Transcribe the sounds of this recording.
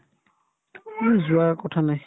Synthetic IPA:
uzʊaɹkɔtʰanaj

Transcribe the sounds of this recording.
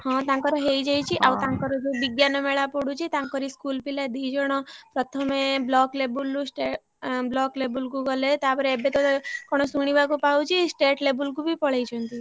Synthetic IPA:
hɔ̃t̪ãŋkɔɾɔɦejd͡ʒajt͡ʃʰiʔawt̪ãŋkɔɾɔd͡ʒebiɡjanɔmeɭapɔɽut͡ʃʰit̪ãŋkɔɾiskulpilad̪iːd͡ʒɔɽ̃ɔpɾɔt̪ʰɔmeblɔklebulːusʈe | blɔklebulkuɡɔlet̪apɔɾeebet̪ɔkɔɽ̃ɔsuɽ̃ibakupawt͡ʃʰisʈeʈlebulkubʱipɔɭejt͡ʃʰɔnt̪i

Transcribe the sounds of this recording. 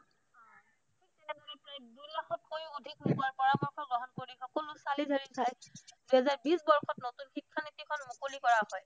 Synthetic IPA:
itɛnɛdoɹipɹidulaxɔt̚kojodʱik̚ukuaɹpɔɹamɔɹkʰɔɡɹɔɦɔnkoɹixɔkɔlʊsalidʱaɹitʰajd̥uɦɛzaɹbisbɔɹxʰɔtnotunxikʰːanit̪ːikʰɔnmukolikɔɹaɦɔj

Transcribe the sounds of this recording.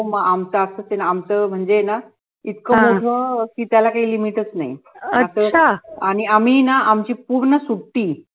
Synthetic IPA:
maamt͡səasəsenaːmt͡səm̤əɳd͡ʑena | it̪kəmod̪ʱəkiːt̪jalakaɦiːlimiʈət͡snaḭasəaaɽ̃iam̤iːnaamt͡ɕiːpuɾɳəsuɽʈːiː

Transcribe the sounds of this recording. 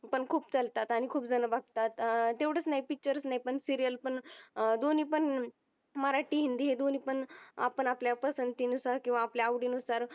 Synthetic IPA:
pəɳkʰuːp̚t͡səlt̪at̪aɽ̃ikʰuːpd͡zənəbaɡ̚t̪at̪t̪eʋɽ̤ət͡snaɦipik̚t͡ɕəɾət͡snaipəɳsiɾijəlpəɳd̪oniːpəɳ | məɾaʈiːɦind̪iːɦed̪oniːpəɳa̰pəɳapljapəsənt̪iːnusaɾkĩw̃ʋaːpljaːʋɖiːnusaɾ

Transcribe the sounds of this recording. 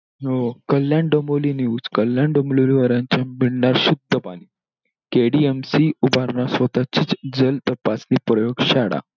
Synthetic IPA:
ɦokəljãɳɖəmoliniuːd͡zkəlːjãɳɖəmololiʋəɾãɲt͡ɕamiɽɳaɾsud̪ʱːəpaɽ̃iː | keɽiemsiubʱaɾɳasʋət̪at͡ɕit͡sd͡zəlt̪əpasniːpɾəjoɡɕaɽa̰

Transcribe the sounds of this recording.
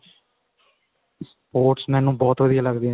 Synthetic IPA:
s | poːʈsmɛ̃ːnũːbɔːt̪ʋəd̪ɪjaːləɡd̪e

